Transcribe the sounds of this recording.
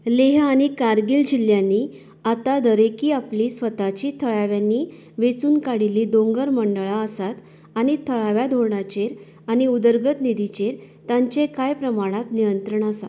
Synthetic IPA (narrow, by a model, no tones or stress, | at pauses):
leɦaɽ̃ikaɾɡild͡ʑiljãnːiː | at̪ad̪əɾekiːapliːsʋət̪at͡ɕiːt̪ʰəɭaʋjãnːiː | ʋet͡suːnkaɽiliːd̪õŋɡəɾməɳɖəɭaəsat̪ | aɽ̃it̪ʰəɭaʋjad̪ʱoɳat͡ɕeɾ | aɽ̃iud̪əɾɡət̪nid̪it͡ɕeɾ | t̪ãɲt͡ɕekajpɾəmaɽ̃at̪nijənt̪ɾəɳasat̪